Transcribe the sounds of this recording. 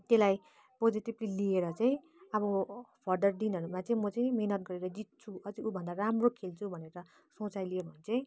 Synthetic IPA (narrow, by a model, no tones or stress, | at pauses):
t̪elaj | pod͡ziʈiblilieɾʌt͡saĩ | ʌβʌpʰʌrd̪ʌrɖinʌɾumat͡saĩmʌt͡saĩmʌnʌt̪̚ɡʌɾeɾʌd͡zit̪̚t͡sʰuʌd͡ziubʱʌnd̪aramrokʰelt͡sʰubʱʌneɾʌ | sõt͡sajlijebʱʌnt͡sʌĩ